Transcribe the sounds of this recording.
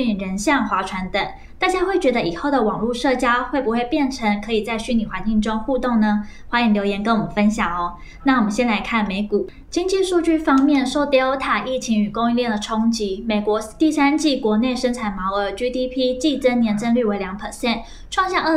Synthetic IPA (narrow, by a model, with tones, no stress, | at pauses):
y˥i˨˩ɻə˧˥nɕjɑ˥˩ŋxwa˧˥ʈ͡ʂʰwa˧˥nt̪ə˨˩˦ŋ | t̪a˥˧t͡ɕja˥˧xwe˥˩ɪt͡ɕɥɛ˧˥d̪ə˧ʔi˨˩xo˥˩ʊd̪ə˩wɑ˨˩ŋlu˥˧ʂɤ˥˩t͡ɕja˥xwe˥˩ɪpu˧˥xwe˥˧ɪpjɛ˥˩nʈ͡ʂʰə˧˥ŋkʰɤ˧˥i˨˩t͡sa˥˧ɪɕy˥ni˨˩wa˧˥nt͡ɕi˥˩ŋʈ͡ʂʊ˥ŋxu˥˧t̪ʊ˥˩ŋnə˩xwa˧˥jɛ˧˥nljo˧˥ʊjɛ˧˥nkə˥wɔ˨˩mə˨˦nfə˥nɕjɑ˨˩ŋɔ˦ | na˥˩wɔ˨˩mə˦nɕjɛ˥nla˧˥ɪkʰa˥˩nme˧˥ɪku˨˩˦ | t͡ɕi˥ŋt͡ɕi˥˧ʂu˥˧t͡ɕy˥˩fɑ˥ŋmjɛ˥˩nʂo˥˧ʊt̪i˥o˧˥ʊt̪ʰa˨˩ʔi˥˩t͡ɕʰi˧˥ŋy˨˩kʊ˥ŋy˥˧nljɛ˥˩nd̪ə˩ʈ͡ʂʰʊ˥ŋt͡ɕi˧˥me˨˩ɪkwɔ˧˥t̪i˥˩sa˥nt͡ɕi˥˩kwɔ˧˥ne˥˩ɪʂə˥nʈ͡ʂʰa˨˩ɪnmɑ˧˥ʊə˧˥t͡ɕy˥t̪ʰi˥pʰi˥t͡ɕi˥˩ʈ͡ʂə˥njɛ˧˥nt͡sə˥nly˥˩we˧˥ɪljɑ˧˥ŋpʰə˨˩ɕjɛ˥˩n | ʈ͡ʂʰwɑ˥˧ŋɕjɑ˥˧ŋə˥˩